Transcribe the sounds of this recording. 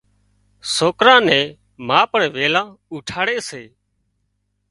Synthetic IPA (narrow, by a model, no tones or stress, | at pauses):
soːkɾãːnɛ̃ː | mãːpəɳʋeːlãːuːʈʰaːɽeːseː